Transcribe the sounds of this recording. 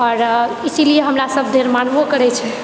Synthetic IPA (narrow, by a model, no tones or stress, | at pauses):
ɔɾ | isilijeɦəmɾasəb̚ʱd̪ʱeɾmanbokəɾɛt͡ʃʰɛ